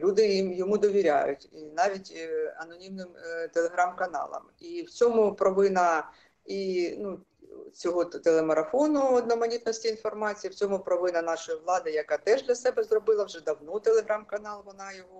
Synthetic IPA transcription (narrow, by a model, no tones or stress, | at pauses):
lʲud̪ɪjimjɔmud̪ɔʋʲiɾʲa̰jʊ̰tʲinɑʋʲitʲɐnɔnʲimnɪmt̪elˠeɦɾɑmkɐnɑ̰lˠɐ̰miwt͡sʲɔmʊpɾɔʋɪnɐ | inu | t͡sʲɔɦɔt̪elˠemɐɾɐfɔnʊɔd̪nɔmɐnʲit̪̚nɔsʲtʲiin̪fɔrmɑt͡sʲijiwt͡sʲɔmʊpɾɔʋɪnɐnɑʃɔjiʋlˠɑd̪ɪjɐkɑt̪ɛʒd̪lʲɐsɛbɛzrɔbɪlˠɐwʒɛd̪ɐwnɔt̪elˠeɦɾɑmkɐnɑlˠʋɔnɑjɔɦɔ